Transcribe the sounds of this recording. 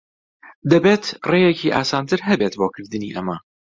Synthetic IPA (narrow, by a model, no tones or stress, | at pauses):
d̪ɐbeːt̪rejeciːʔa̰ːsaːnt̪ʰɨɾɦɐbeːt̪boːkʰɨɾd̪ɨniːʔɐmɐ